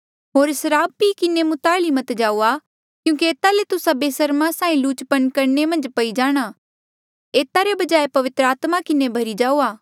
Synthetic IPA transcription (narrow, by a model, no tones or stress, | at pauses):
ɦoːɾsɐɾaːbːikɪnemʊt̪aːɭimɐt̪d͡ʒaːuːa | kjũːkieːt̪alet̪ʊsabeːsɐɾmãsãːĩluːt͡ʃpənkɐɾnemɐ̃nd͡ʒpɐid͡ʒaːɽ̃a | eːt̪aɾebɐd͡ʒaːepɐʋɪt̪ɾəaːt̪makɪnebʱɐɾid͡ʒaːuaː